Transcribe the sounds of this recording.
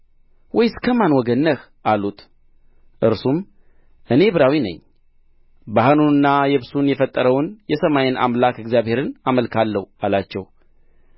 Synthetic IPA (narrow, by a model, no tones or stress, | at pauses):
wɔjskʰəmanwɔɡənːəx | alut̪ | ʔɨɾsum | ʔɨne̞bɨɾawinə̰ɲː | bahənuɨnːajɛβsunjɛfət̪ʼːəɾəwnjɛsəmajɪnʔa̰mlakɨɡzjaβhe̞ɾɨnaməlkʰalːəhalat͡ʃːɛw